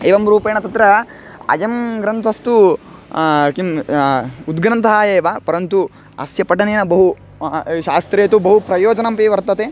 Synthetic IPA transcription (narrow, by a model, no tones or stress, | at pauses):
eːʋɐmɾuːpeːɳɐt̪ɐt̪ɾɐ | ɐ̰d͡ʒɐmɡɾɐnt̪ʰɐst̪u | kim | ud̪ɡɾɐnt̪ʰɐaːjeːʋaːpɐɾɐnt̪u | ɐ̰sjɐpɐʈɐneːnɐbɐɦu | ʃaːst̪ɾeːt̪ubɐɦupɾɐjoːd͡ʒɐnɐmpiʋɐɾt̪ɐt̪eː